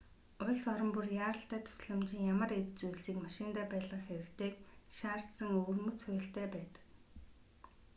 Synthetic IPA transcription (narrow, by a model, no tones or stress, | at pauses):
ʊɮsɔɾə̆mpurjaːɾə̆ɬt̪æːt̪ʰʊ̥sɮə̆mt͡ɕɪ̆ŋjamə̆ɾett͡sujɮsiːkmaʃɪnt̪aːpæːɮʁə̆χxeɾɘ̆kt̪ʰeːk̚ʃaːr̥t̪sə̆ŋɵːrmɵ̆t͡sʰʊj̆ɬt̪æːpæːt̪ə̥̆k